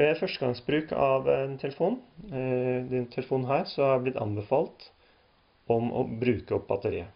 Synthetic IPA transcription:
æfœʂʈəɡɑŋsbɾʉːkɑ̰ʋnt̪ʰɛləfuːn | d̪ɛnt̪ʰɛləfuːnɦæːɾsɔhɑɾblɪt̪ːɑ̰nbəfɑːlt̪ | ɔmɔ̰bɾʉːkəɔp̚ːbɑt̪əɾḭːə

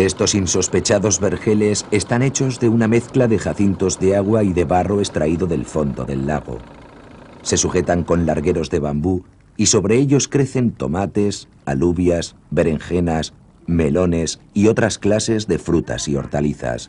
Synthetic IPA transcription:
e̞st̪o̞sinso̞spe̞t͡ʃaðo̞zβe̞ɾxe̞le̞se̞st̪ane̞t͡ʃo̞zðe̞uname̞θklaðe̞xaθint̪o̞zðe̞aɣ̞waiðe̞βaro̞e̞st̪ɾaiðo̞ðe̞lfo̞nd̪o̞̰ðe̞̰lːa̰ɣ̞o̞̰ | se̞suxe̞t̪aŋko̞nlaɾɣe̞ɾo̞zðe̞βambu | iso̞βɾe̞eʎo̞skɾe̞θe̞nt̪o̞̰mat̪e̞s | aluβjas | be̞ɾe̞ŋxe̞nas | me̞lo̞ne̞s | io̞t̪ɾasklase̞zðe̞fɾut̪a̰sio̞̰ɾt̪aliθa̰s

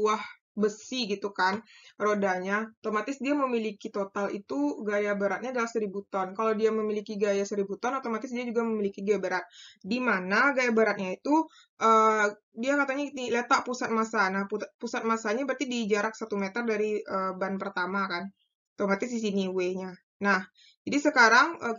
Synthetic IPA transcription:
uah | bəsiɡit̪ukanrodaɲat̪omat̪ɪsdiaməmilikit̪ot̪alḭt̪uɡajabaɾat̪̚ɲaːdalahsəɾibut̪ɔnkalawdiaməmilikiɡajasəɾibut̪ɔnat̪omat̪ɪs̬diad͡ʒuɡaməmilikiɡajabaɾat̪̚dimanaɡajabaɾat̪̚ɲait̪u | ʔəː | diakat̪aɲailet̪aʔpusat̪̚masanahpupusat̪̚masaɲabərt̪idid͡ʒaɾak̚sat̪umet̪ərdaɾiəbanpərt̪amakan | t̪omat̪ɪsdisiniweɲa | nah | d͡ʒadisəkaɾaŋə

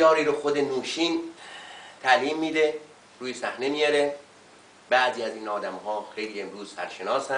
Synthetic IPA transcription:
jɒːɾiːɾoxod̪enuːʃiːn | t̪ʰæliːmːiːd̪e | ɾuːjesæhne̞mijɒɾe | bæʔziːæziːnɒːd̪æmhɒːxe̞jliːe̞mɾuːzsæɾʃenɒːsæ

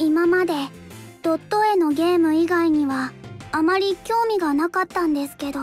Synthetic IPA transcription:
imamad̪e̞ | d̪̥o̞t̪ːo̞e̞no̞ɡʲe̞ːmɯ̟iɡaiɲ̟iβaːmaɾʲikʲo̞ːmʲiɡanakat̪ːãnd̪e̞sɨ̥ke̞d̪o̞

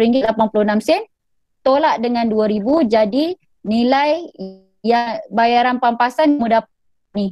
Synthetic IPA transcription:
ɾiŋɡɪlapanpulunamsɛn | t̪olaʔdəŋãnduaɾibud͡ʒadi | nilaj | jabajaɾanpampasanmudap̚ | ni

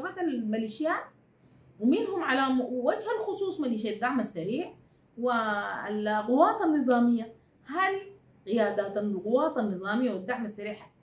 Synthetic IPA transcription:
abat̪almaliːʃjaːt̪̚ | wɪminhumʕalaːmwwad͡ʒhalxʊsˤuːsˤmaliːʃ̬aːd̪ːaʕmasːaɾiːħ | wilɣʊwaːt̪anːɨzˤɑːmijːa | hal | ɣɪjaːd̪aːt̪anɪlɣʊwaːt̪anːɨzˤɑːmijːawid̪ːaʕmasːaɾiːħḁ

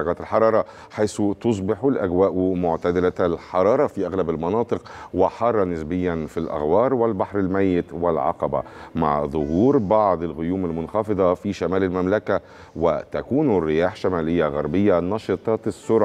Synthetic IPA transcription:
ɑɣæːt̪ɪlħɑɾˤɑːɾˤɑ | ħajsut̪os̬ˤbɪħulʔæɡwæːʔmoʕt̪æd̪ɪlæælħɑɾˤɑːɾˤɑfiʔæɣlæbɪlmɑnɑːt̪ˤɨqwɪħɑrˤːɑnɪsbɪjːænfilʔa̰ɣwɑːɾˤwɪlbaħɾˤɪlmæjːɪt̪wɪlʕɑ̰qɑbæ̰ma̰ʕðˤʊhuːɾbɑʕd̪ˤɪlɣʊjuːmɪlmʊnxɑfɨðˤɑfiʃæmæːlɪlmæmlækæ | wɪ̰t̪ækuːnrːɪjaːħʃæmæːlɪjːæɣæɾˤbɪjːænɑʃɨt̪ˤɑːsˤːʊɾˤʕ

